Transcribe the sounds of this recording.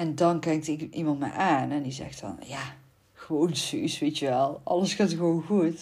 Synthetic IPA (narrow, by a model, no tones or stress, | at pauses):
ɛndɔnkɛŋktɪkimɑntmɛ̰jʔaːnɛndizɛ̰xtɔ̰nja | xəʋoːnsysʋeːtjəʋɛlˠɑləsxaːtxəʋoːnɣuət